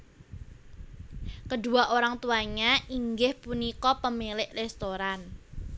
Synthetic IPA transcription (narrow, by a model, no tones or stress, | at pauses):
kəɖṳaʔoɾaŋt̪uaɲaiŋɡɪhpunikɔpəmilɪʔrɛst̪oɾan